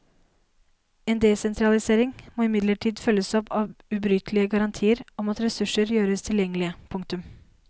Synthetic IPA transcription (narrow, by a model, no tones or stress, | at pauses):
eːnd̪eːsɛnt̪ʰɾɑlɪseːɾɪŋmoːɪmɪd̪ləʈʰiːd̪fœlːəsɔpɑːʋʉbɾʏt̪ʰlɪəɡɑɾɑnt̪ʰiːəɾɔmɑt̪ɾɛsʉʂəɾjøːɾəst̪ʰɪljɛŋːəlɪəpʰʊŋk̚t̪ʉm